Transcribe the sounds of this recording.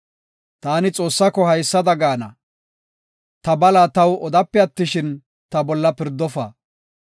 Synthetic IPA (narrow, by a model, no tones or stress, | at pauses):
t̪aːnɪt͡sʼo̞ːsːɐkːɔhɐjsːɐd̪ɐɡaːnɐ̰ | t̪ɐbɐlat̪ɐwɔd̪ɐpːɛɐt̪ːɪʃɪn | t̪ɐbɔlːɐpɪɾd̪ɔfa̰ː